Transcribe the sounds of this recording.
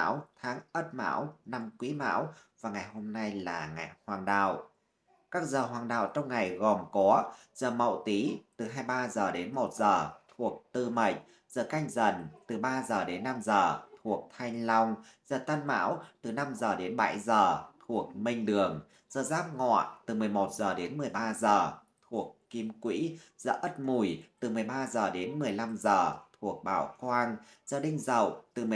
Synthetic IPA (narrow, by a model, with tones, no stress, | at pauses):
a̰ː˧˥wt̪ʰaː˨˦ŋʔə˦˥t̚ma̰ː˧˥wna˧mkwi˨˦ma̰ː˧˥wvaː˨˩ŋa˨˩jho˧mna˧jlaː˨˩ŋa̰˨˩jhwaː˨˩ŋɗa̰ː˧˨w | kaː˦˥k̚zəː˨˩ɦwaː˨˩ŋɗa̰ː˧˨wt͡ɕɔ˧wŋ͡mŋa˨˩jɣɔ˨˩mkɔ˨˦z̥əː˨˩mə̰˧˨wt̪i˨˦t̪ɨ˨˩ɦaː˧jɓaː˧zəː˨˩ɗe˨˦nmo˨˩t̚zəː˨˩t̪ʰu˨˩ək̚t̪ɨ˧mə˨˩jt̟̚ | z̥əː˨˩ka˧jŋ̟zə˨˩nt̪ɨ˨˩ɓaː˧zəː˨˩ɗe˨˦nːa˧mzəː˨˩t̪ʰu˨˩ək̚t̪ʰa˧jŋlɔ˧wŋ͡m | z̥əː˨˩t̪ə˧nma̰ː˧˥wt̪ɨ˨˩na˧mzəː˨˩ɗe˨˦nɓa̰˧˥jzəː˨˩t̪ʰu˨˩ək̚mï˧ŋ̟ɗɨ˨˩əŋ | z̥əː˨˩zaː˦˥p̚ŋɔ̰˧˨t̪ɨ˨˩mɨ˨˩əjmo˨˩t̚zəː˨˩ɗe˨˦nmɨ˨˩əjɓaː˧zəː˨˩ | t̪ʰu˨˩əkːi˧mkwḭ˧˥z̥ə̰ː˧˩ʔə˦˥t̚mu˨˩jt̪ɨ˨˩mɨ˨˩əjɓaː˧zəː˨˩ɗe˨˦nmɨ˨˩əjla˧mzəː˨˩t̪ʰu˨˩ək̚ɓa̰ː˧˩wkwaː˧ŋ | zəː˨˩ɗï˧ŋ̟zə̰˧˩˨wt̪ɨ˨˩m˨